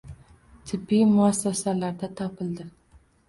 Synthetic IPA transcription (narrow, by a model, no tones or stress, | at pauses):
t̪ʰɪbːimʊasːasalaɾd̪at̪ʰɒpʰɪld̪ɪ